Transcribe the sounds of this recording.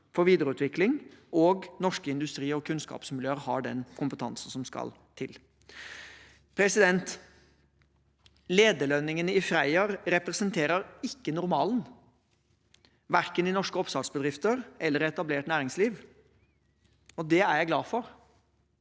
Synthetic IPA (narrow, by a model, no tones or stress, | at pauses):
fɔɾʋiːd̪əɾəʉːt̪ʰʋɪklɪŋʔɔɡnɔʂkəɪnd̪ʉst̪ɾiːɔkʰʉnskɑ̰ːpsmɪljøːəɾhɑ̰ɖɛ̰nkʰʊmpət̪ʰɑ̰nsn̩sɔmskɑ̰l | t̪ʰɪl | pʰɾɛsɪd̪ɛnt̪ | leːd̪əlœnːɪŋənɪfɾæɪɑɾɾɛpɾɛsənt̪ʰeːɾəɾɪkːənʊɾmɑːlən | ʋæɾkənɪnɔʂkəɔpsɑd̪sbəd̪ɾɪft̪əɾɛlːəɾɛt̪ɑbleːʈnæːɾɪŋsliːʋ | ɔd̪ɛæɾjæɪɡlɑːfɔɾ